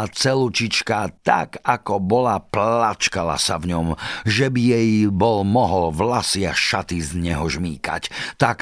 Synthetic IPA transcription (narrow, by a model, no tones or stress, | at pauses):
at͡sɛlut͡ʃit͡ʃkat̪a̰kakɔbɔlaplat͡ʃkala̰savɲɔmʒɛbijɛjbɔlmɔɦɔlʋlasɪaʃat̪izɲɛɦɔʒmiːka̰ct̪ak